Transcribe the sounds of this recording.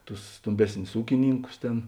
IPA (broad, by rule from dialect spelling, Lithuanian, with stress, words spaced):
tʊs ˈstoːmʲˌbʲæːsʲnʲʊs ˈuːkʲɪˌnʲiːŋkʊs ˈtʲeːn